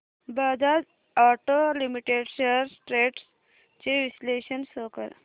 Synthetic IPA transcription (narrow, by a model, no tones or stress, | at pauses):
bad͡zad͡z | aʈolimiʈeɖɕəɾsʈɾeʈs | t͡ɕeʋisleɕənsokə̰ɾ